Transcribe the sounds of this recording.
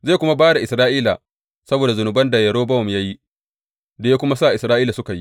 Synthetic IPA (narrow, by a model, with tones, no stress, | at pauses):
zeː˦˨kʷʊ˦ma˦baː˦da˨ʔɪ˨sɾaː˦ʔiː˦la̰˨ | sɐ˦boː˨da˨zʊ˨nʊ˨bɐ˦nda˨jɐ˨ɽoː˦bɐ˦ʊ˨mja˦ji˦ | da˨ja˦kʷʊ˦ma˦saː˦˨ʔɪ˨sɾaː˦ʔiː˦la˨sʊ˦ka˨ji˦